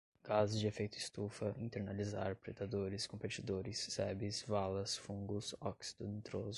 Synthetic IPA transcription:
ɡ̥azʊzd͡ʒɪefejt̪ʊist̪ufɐʔĩt̪eɾnalizaɾpɾed̪ad̪oɾɪskõpet͡ʃid̪oɾɪsːɛbɪsvalɐsfũɡʊsɔksi̥d̪õnt̪ɾozʊ

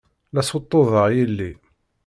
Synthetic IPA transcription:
læsot̪ˤːoðəʁjilːi

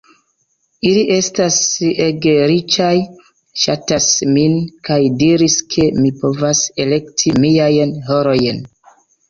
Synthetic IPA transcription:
iliʔe̞staseɡeɾit͡ʃaj | ʃa̰tasminkajdiɾiskʰe̞mipo̞vase̞le̞ktʰimijajnɦoɾo̞jn

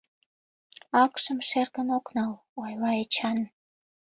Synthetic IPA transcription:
ɑkʃəmʃerɣənoknɑl | ojlɑet͡ɕɑn

